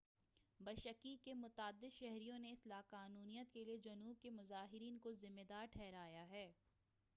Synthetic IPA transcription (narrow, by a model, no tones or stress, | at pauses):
bɐʃəkikemʊt̪aːd̪ːɪd̪ʃɛɦɾijõneɪslaːqaːnuːnijət̪kelied͡ʒɐnuːb̚kemʊzaːɦɪɾiːnkozɪmːed̪aːɾʈʰɛːɾaːjaɦɛː